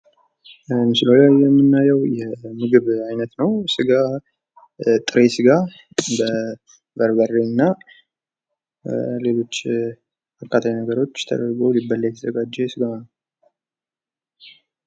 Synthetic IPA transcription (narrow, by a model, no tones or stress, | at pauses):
mɨsɨlolajːɛmːɨnːajɛwjɛmɨɡɨβajnət̪nəwsɨɡa | t̪ʼɨɾesɨɡa | bə | bəɾbərːenːa | le̞lo̞t͡ʃː | bakʰːat̪ʰajinəɡəɾo̞t͡ʃːt̪ʰə̰d̪əɾɡowlibəlːajɛt̪ʰəzəɡad͡ʒːɛsɨɡanː